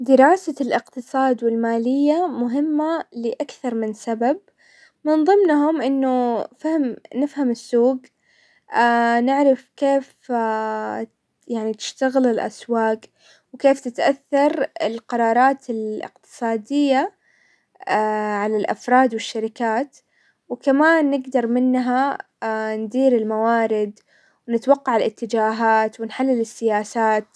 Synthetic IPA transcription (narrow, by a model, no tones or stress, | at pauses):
d̪ɪɾɑːsalʔɪqt̪ɨsˤɑːd̪wɪlmaːlɪjːamʊɦɪmːalɪʔakθɑɾˤmɪnsabab̚ | mɪnðˤɨmnɦʊmʔɪnːʊfahmnɪfhamɪsːuːɡ | anɪʕɾɪfkeːf | jaʕnit̪ɪ̥ʃt̪aɣɪlɪlʔa̰swɑːq | wkeːft̪ɪt̪ʔaθːɑɾˤɪlqɑɾˤɑːɾˤɑːt̪ɪlʔɪ̰qt̪ɨ̥sˤɑːd̪ɪjːa | ʕalalʔa̰fɾˤɑːd̪wɪʃːaɾɪkaːt̪ | wɪkamaːnːɪɡd̪ɑɾˤmɪnːɦa | nd̪iːɾɪlmawaːɾɪd̪ | wnɪt̪wɑqːɑʕɪlʔɪt̪ːɪd͡ʒaːɦaːt̪wɪnħalːɪlɪsːɪjaːsaːt̪